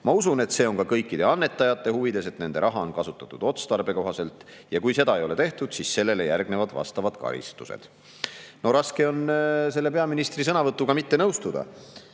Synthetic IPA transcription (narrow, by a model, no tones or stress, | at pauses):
mɑusune̞t̪se̞ːo̞nkɑkɤjkːid̪e̞ɑnːe̞t̪ːˑɑjɑt̪ˑːe̞huvid̪e̞se̞t̪ne̞nd̪e̞ɾɑɦɑo̞nkɑsut̪ˑːɑ̥t̪ːˑud̪̥o̞t̪st̪ɑrbe̞ko̞ɦɑse̞lt̪ | jɑkujse̞d̪ɑejo̞le̞t̪e̞ht̪ud̪̥sisse̞lːe̞lejærɡ̥ne̞vɑd̪̥vɑ̰st̪ɑvɑd̪̥kɑ̰ɾḭst̪usḛd̪̥ | no̞ɾɑske̞o̞ns̬e̞lːe̞pe̞ɑminist̪ris̬ɤnɑvɤt̪ːˑukɑmit̪ːenɤwst̪ud̪ɑ̰